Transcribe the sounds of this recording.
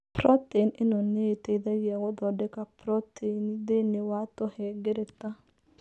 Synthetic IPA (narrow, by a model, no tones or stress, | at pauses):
pɾotenɪnɔneeteðaɣiaɣɔdɔdekapɾɔtʰenidenewatoheɡeɾeta